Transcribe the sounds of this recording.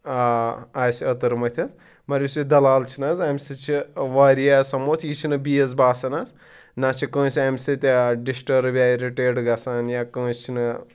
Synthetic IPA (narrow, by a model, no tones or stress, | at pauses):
aaːsiɐt̪ɐɾmɐt̪ʰʲɐt̪ | mɐɾʲusid̪ɐlaːlt͡ʃʰinɐzɐmʲsit͡ʃʰiʋaːɾijaːsɐmoːt̪ʰjit͡ʃʰinɨbijɐzbaːsɐnaz | naːt͡ʃʰikə̃ːsiɐmʲsit̪ʲɖisʈɐɾbʲaːɾiʈeːɖɡɐsaːnjaːkə̃ːst͡ʃʰinɨ